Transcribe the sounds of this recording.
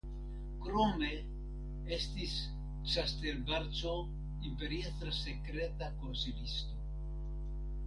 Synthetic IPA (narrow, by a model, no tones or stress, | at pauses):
kɾome | est̪is | t͡ʃast̪eɾbaɾt͡ʃo | impeɾjeθɾasekɾet̪akonselist̪o